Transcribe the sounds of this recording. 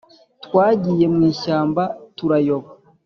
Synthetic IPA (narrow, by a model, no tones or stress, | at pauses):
twaːɟije̞mŋiːʃaːmbatuɾajoβa